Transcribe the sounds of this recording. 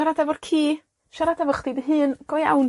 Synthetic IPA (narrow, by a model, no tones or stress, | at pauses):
aɾadavɔrkʰiː | ʃaɾadavəχdidəɦɨːnɡ̥ɔja̰wn